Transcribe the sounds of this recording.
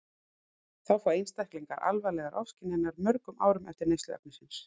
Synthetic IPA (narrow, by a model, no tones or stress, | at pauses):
θawfawejnst̪ajhkliŋkaɾʔa̰lvalɛːɣaɾʔɔfscɪnɪnːaɾmœɾkʏma̰ːwɾʏmɛft̪ɪɾnejst̪ʏɛ̰p̚nɪsɪns